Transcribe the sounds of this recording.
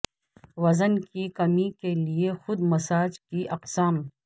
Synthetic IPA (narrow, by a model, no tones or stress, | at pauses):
wɐzənkikɐmikeliexʊd̪mɐsaːd͡ʒkiʔɐqsaːm